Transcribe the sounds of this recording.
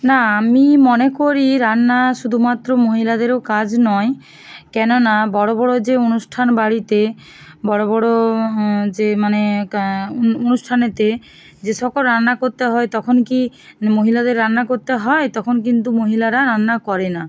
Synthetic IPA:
naamimɔnekoɾiɾanːaʃud̪ʱumat̪ːɾomoɦilad̪eɾokad͡ʑnɔe | kɛnonabɔɽobɔɽod͡ʒeonusʈʰanbaɽit̪e | bɔɽobɔɽo | d͡ʒemane | onusʈʰanet̪e | d͡ʒeʃɔkolɾanːakoɾt̪eɦɔet̪ɔkʰonki | moɦilad̪eɾːanːakoɾt̪eɦɔet̪ɔkʰonk̬int̪umoɦilaɾaɾanːakɔɾena

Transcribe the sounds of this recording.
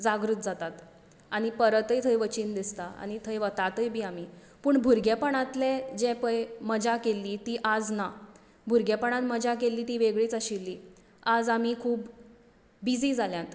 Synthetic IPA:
d͡zaɡɾut̪̚d͡zat̪at̪ | aɽ̃ipəɾət̪əjt̪ʰəjʋət͡ɕiːnd̪ist̪aa̰ɽ̃it̪ʰəjʋət̪at̪əjbʱiːami | puːɳbʱuɾɡjepəɳ̃ãt̪led͡ʑɛpəjməd͡ʑakelːiːt̪iːʔad͡zna | bʱuɾɡjepəɳ̃at̪məd͡ʑakelːiːt̪iːʋeɡɭiːt͡saɕilːiː | ad͡zamikʰuːbː | id͡ziːd͡zʱaljãt̪

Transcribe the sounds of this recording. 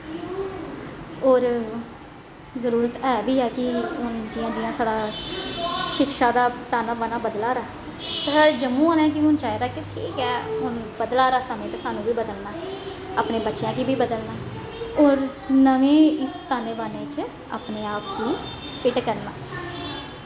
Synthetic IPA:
oːɾ | zəɾuːɾət̪ɛːʋiːɛːkɪɦʊnd͡ʒɪjãːd͡ʒɪjãːsaːɽaː | ʃɪkʃaːd̪aːt̪aːnaːbanaːbəd̪laːɾaː | t̪əd͡ʒəmũːaːnɛ̃ːk̬ɪɦʊnt͡ʃaːiɾaːkɪʈʰiːkɛːɦʊnbəd̪laːɾaːsəmẽːt̪aːsaːnũːbiːbəd̪əlnaː | aːpneːbətːʃjãːkiːbiːbəd̪əlnaː | ɔːɾ | nəʋẽːɪst̪aːneːbaːneːt͡ʃ | a̰ːpneːaːpkiː | pɪʈkəɾnaː

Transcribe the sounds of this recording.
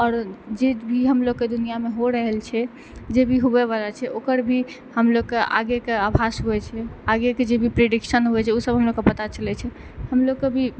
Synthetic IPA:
ɔɾd͡ʒebʱiɦəmloɡkːed̪unijameɦoɾəɦɛlt͡ʃʰɛ | d͡ʒebʱiɦobeβalat͡ʃʰɛʔokəɾbʱi | həmloɡ̚kea̰ɡekeabʱasɦoɛt͡ʃʰɛaɡeked͡ʒebʱipɾeɖikʃənɦoɛt͡ʃʰɛusəbʱɦəmloɡkːepət̪at͡ʃəlɛt͡ʃʰɛ | həmloɡkebʱi

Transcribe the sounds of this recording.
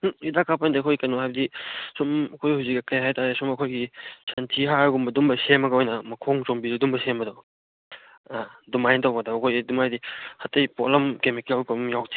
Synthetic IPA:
idakʰapʰandiɐkʰojkɐnohajbɐdisumɐkʰojhuwzikːɐkɐjɦajtaɾesumɐkʰojɡisɐntʰiɦaɾɡumbɐdumbɐsemɐɡɐojnɐmɐkʰoŋt͡ʃombiɾɐdumbɐsembɐdɔ | adumajntawɡadaɐkʰojdumajdihɐtːɐjpolɐmkemikalkɐmjawtʰi̥

